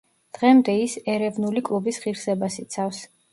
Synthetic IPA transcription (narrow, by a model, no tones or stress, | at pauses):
d̪̥ʁɛmd̪ɛisɛɾɛvnulikʼlˠubisʁiɾsɛbasit̪sʰafs